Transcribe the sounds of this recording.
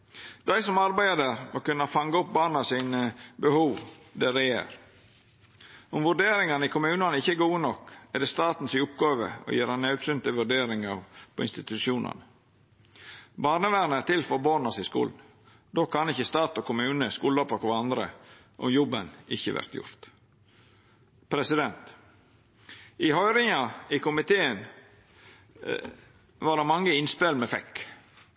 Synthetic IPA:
d̪̥æɪsɔmɑɾbæɪəd̪æɾmɔkʉnːɑfɑŋɡɑʊp̚bɑːɳɑsɪnəbəhuːʋd̪ɛɾɛjḛːɾ | ɔmʋʉɖeːɾɪŋɑnəɪkʰʊmʉːnɑnəɪçːəɛɡuːənɔkːɛɖ̪ɛst̪ɑːt̪n̩sɪʊpɡɑːʋə̰ɔ̰jeːɾɑnɑʉt̪sʉnt̪əʋʉɖeːɾɪŋɑɾpʰɔɪnst̪ɪt̪ʉʃuːnʔɑ̰nə | bɑːɾnəʋæɾnəɾt̪ʰɪlfɔɾboːnɑsɪskṵːln̩ | d̪okʰɑnɪçːəst̪ɑːt̪ɔkʰʊməʉːnəskuːlɔpʰɑkʋɑnd̪ɾə̰ | ʔɔ̰mjɔbənɪçːəʋæ̰ɾt̪jʊ̰ɾt̪ | pʰɾɛsɪd̪ɛnt̪ | ɪhœʏɾɪŋɑɪkʊmɪt̪ʰeːən | ʋɑɖ̪ɛmɑŋːəɪnspɛlməfɛkː

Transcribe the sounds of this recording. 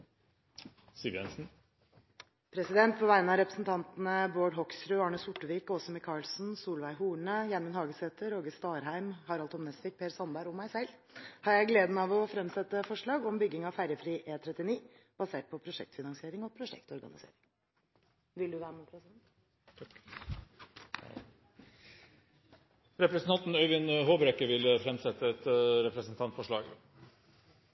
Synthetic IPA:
sɪʋjɛ̰nsn̩ | pʰɾɛsɪd̪ɛnt̪̚pʰɔʋæɪnɑɾɛpɾəsn̩t̪ʰɑnt̪nəboːɖɦɔksɾʉːɑɳəsʊʈːəʋiːkɔsɔmɪkʰɑːɭsn̩suːlʋæɪɦuːɳəjænmənhɑːɡəsɛt̪əɾoːɡəst̪ɑːɾhæɪmhɑɾɑlt̪ɔmnɛst̪ɪk̚pʰeːɾsɑnbæɾɔmːæɪsɛlː | hɑɾjæɪɡleːd̪ənɑʋɔfɾɛmsɛt̪ːəfɔʂɭɑːɡɔmbʏɡːɪŋɑʋfæɾjəfɾiːʔeːt̪ʰɾɛt̪ːɪniː | b̥ɑseːʈ̚pʰɔpʰɾʊʂɛ̰k̚t̪fɪnɑŋsɪeːɾɪŋɔpʰɾʊʂɛ̰kt̪ɔɾɡɑ̰nɪsḛːɾɪŋ | ʋɪld̪ʉʋæːɾəmukɾsɛnʰ | ɾɛpɾəsn̩ʰɑnt̪n̩œʏʋɪnhoːbɾɛkːəʋɪlfɾɛmsɛt̪ːəɛt̪ɾɛpɾəsn̩t̪ʰɑnt̪fɔʂɭɑ̰ːɡ

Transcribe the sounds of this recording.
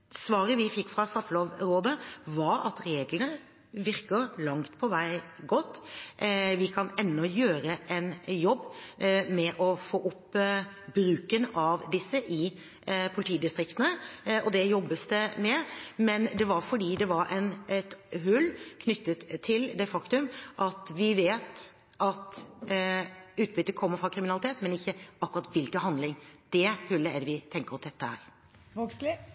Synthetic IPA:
sʋɑːɾəʋɪfɪkːfɾɑst̪ɑfəloːʋɾoːd̪əʋɑɾɑ̰t̪ɾeːɡlənə | ʋɪɾkəɾlɑŋt̪pʰɔʋæɪɡɔt̪ː | ʋɪkʰɑnɛnːɔjøːɾəʔɛnjɔbːmɛʔɔfoːʔʊp | bɾʉːkənɑʋd̪ɪsːəʔɪ | pʰʊlɪt̪ʰiːd̪ɪst̪ɾɪkt̪ənəɔd̪ɛjɔbːəst̪əmɛmɛnd̪ɛʋɑɾfɔɖiːd̪ɛʋɑɾɛnɛt̪ɦʉlːkʰnʏt̪ːət̪ʰːɪld̪ɛfɑkt̪ʉmʔɑt̪ʋɪʋeːt̪ | ʔɑt̪ | ʉːt̪̚bʏt̪ːəkʰɔmːəɾfɾɑkʰɾɪmɪnɑlɪt̪ʰeːt̪mɛnɪçːəɑkːʉɾɑt̪ʋɪlkənɦɑnd̪lɪŋd̪̥ɛhʉlːəɛɾʋɪt̪ʰɛŋkəɾɔsd̪ɛt̪ːəhæ̰ɾ | oɡslɪ

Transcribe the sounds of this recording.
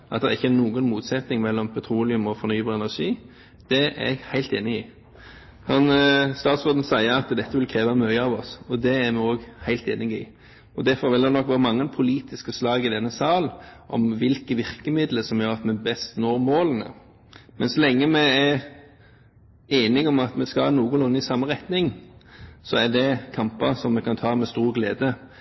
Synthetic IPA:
ʔɑt̪d̪ɛʁɪçːəænuːɡənmuːt̪sɛt̪nɪŋmɛlːɔmpʰɛt̪ʰɾuːlɪʉmɔfɔɾnyːbɑʁɛnæʁʂiː | d̪̥ɛæ̰ɛɡhæɪlt̪eːnɪiː | hɑnst̪ɑːt̪sɔd̪n̩sæɪəɾɑt̪d̪ɛt̪ːəʋɪlkʰɾeːʋəmœʏəɑʋɔsɔd̪ɛːɾmɛoːɡhæɪlt̪ḛːnɪɡḭː | ɔd̪æɾfɔɾʋɪld̪ɛnɔkːʋæːʁəmɑŋːənpʰʊliːt̪ɪskəslɑːɡɪd̪ɛnːəsɑːlʔɔ̰mʋɪlkəʋɪɾkəmɪd̪ləsɔmjøːɾɑt̪mɛbɛst̪noːɾmoːlənə̰ | mɛ̰nsɔlɛŋːəmɛæɾ | eːnɪɡɔmɑt̪mɛskɑnuːɡʊɔnːɪsɑmːəʁɛt̪nɪŋ | sɔæd̪ɛkʰɑmpɑsɔmːɛkʰɑnt̪ʰɑːmɛst̪uːʁɡlḛːd̪ə

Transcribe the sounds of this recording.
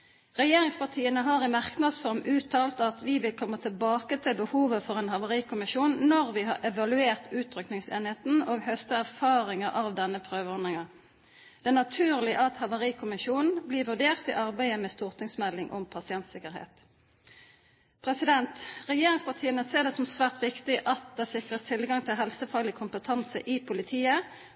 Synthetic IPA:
ʁɛjeːʁɪŋspɑʁt̪ʰiːənəɦɑːʁɪmɑʁknɑd̪sfɔʁmʉːt̪ʰɑːlt̪ɑt̪ʋɪʋɪlkʰɔmːət̪ʰəlbɑːkət̪ʰɪlbəhuːʋəfɔʁeːnhɑʋɑʁiːkʰʊmɪʃuːnːɔʁʋɪɦɑ̰ʔɛʋɑlʉeːʁt̪ʉːt̪ʰːʁʏknɪŋsḛːnɪheːt̪n̩oːɡhœst̪əæʁfɑːʁɪŋəʔɑʋd̪ɛnːəpʰʁøːʋəɔnd̪ʁɪŋɑ | d̪̥ɛæːʁnɑt̪ʰʉːʁlɪʔɑt̪hɑʋɑʁiːkʰʊmɪʃuːnn̩bliːʋʉd̪eːʁt̪ḭːʔɑʁbæɪəmɛst̪uːʁt̪ʰɪŋsmɛlːɪŋʔɔ̰mpʰɑsɪɛnt̪sɪkəʁhḛːt̪ | pʰʁɛsɪd̪ɛnt̪ʁɛjeːʁɪŋspɑʁt̪ʰiːənəseːd̪ɛsɔmsʋæːʁt̪ʋɪkt̪ɪʔɑt̪̚d̪ɛsɪkʁəst̪ʰɪlɡɑŋt̪ʰɪlɦɛlsəfɑlɪkʰʊmpət̪ʰɑnsə̰ʔɪpʰʊlɪt̪ʰiːə

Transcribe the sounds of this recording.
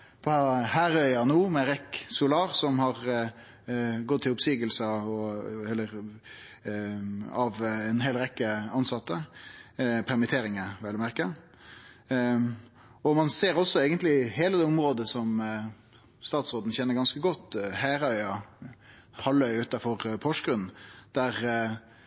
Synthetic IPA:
pʰɔhæːɾœʏɑnuːmɛɾɛksʊlɑːɾsɔmhɑɾ | ɡɔt̪ʰːɪlʊpsiːɡəlsəɔɛlːəɾ | ɑʋɛnɦeːlɾɛkːəɑnsɑt̪ːə | pʰæɾmɪt̪ʰeːɾɪŋəʋɛlːəmæɾkə | ɔmɑnseːɾɔsɔɛɡənt̪lɪɦeːləd̪ɛːɔmɾoːd̪əsɔm | st̪ɑːt̪sʁoːd̪n̩çɛnːəɾɡɑnskəɡɔt̪ːhæːɾəœʏɑ | hɑlːœʏʉːt̪ɑfɔʁpʰɔʂkɾʉn̩d̪̥æʁ

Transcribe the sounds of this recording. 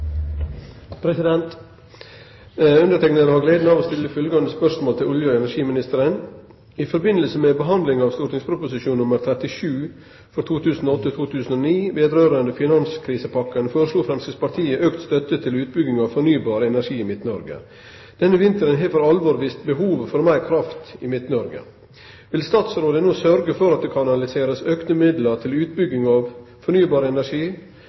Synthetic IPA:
pʰɾɛsɪd̪ɛnt̪ | ʉnd̪əʈʰɛknəɾəhɑːɡleːd̪nɑʋoːst̪ɪlːəfʏlɡɑnd̪əspœʂmoːlt̪ʰɪlʊljəɛnæɾʂiːmɪnɪst̪əɾən | ɪfɔɾbɪnəlsəmeːbəɦɑnd̪lɪŋɑːʋst̪ʊɾʈnɪŋspʰɾʊpʊsɪʃuːnnːʊməɾt̪ʰɾɛt̪ɪʂʉː | fɔɾt̪ʰuːt̪ʰʉːsn̩oːɔt̪ːət̪ʰuːt̪ʰʉːsən̩oːniːʋeːd̪ɾøːɾənd̪əfɪnɑnskʰɾiːsəpɑkːənfoːɾəʂɭuːfɾɛmskəspɑʈ̪ʰiːəʔøːkt̪st̪œt̪ət̪ʰɪlʉːt̪̚bʏɡɪŋɑʋfɔɳyːbɑːɾəɛnæʂiːɪmɪt̪nəɔɾɡə̰ | d̪̥ɛnːəʋɪnt̪əɾənɦeːʋəɾɑlʋɔɾʋiːst̪bəɦuːʋfɔɾmæɪɾkʰɾɑft̪ɪmɪt̪nɔɾɡə̰ | ʋɪlst̪ɑːt̪sɾoːd̪ənoːsœɾɡəfɔɾɑt̪̚d̪eːkʰɑnɑlɪseːɾəsøːkt̪əmɪd̪ləɾt̪ʰɪlʉːt̪̚bʏɡɪŋɑʋ | fɔɳyːbɑːɾəɛnæʂiː

